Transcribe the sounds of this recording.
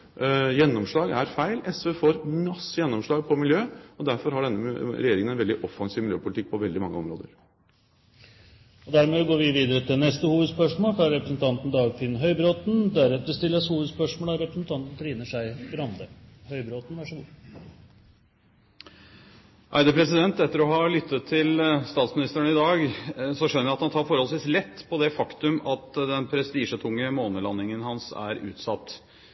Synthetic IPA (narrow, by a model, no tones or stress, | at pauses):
jɛnːɔmʂɭɑːɡæɾfæɪlɛsʋøfoːɾmɑsːəjɛnːɔmʂɭɑːɡ̚pʰɔmɪljøːɔd̪æɾfɔɾhɑɖɛnːəɾɛjeːɾɪŋənɛnʋɛld̪ɪʔɔfːɑŋsiːʋmɪljøːpʊlɪt̪ɪk̚pʰɔʋɛld̪ɪmɑŋːəɔmɾo̰ːd̪əɾ | ɔd̪æɾmɛʋɪɡoːʋiːʋiːd̪əɾət̪ʰɪlnɛst̪əhuːʋəd̪spœʂmoːlfɑɾɾɛpɾəsn̩t̪ʰɑnt̪n̩d̪ɑːɡfɪnɦœʏbɾoːt̪nd̪æɾɛt̪əst̪ɪlːəshuːʋəd̪spœʂmoːlɑɾɛpɾəsn̩t̪ʰɑnt̪n̩t̪ʰɾiːnəʂæɪɡɾɑmd̪əhœʏbɾoːt̪n̩ʋɑʂəɡuː | ʔæ̰ɪd̪əpʰɾɛsɪd̪ɛnt̪ɛt̪ːəɾɔhɑlʏt̪ʰːət̪ʰːɪlst̪ɑːt̪smɪnɪst̪æɳəɪd̪ɑːɡsɔʂœnːɾjæɪɑt̪hɑnt̪ʰɑːɾfɔɾhɔlsʋiːslɛt̪ːpʰɔd̪ɛfɑkt̪ʉmɑt̪d̪ɛnpʰɾɛst̪iːʂət̪ʰʊŋːəmoːnəlɑnːɪŋənhɑnsæ̰ɾʉ̰ːt̪sɑt̪ː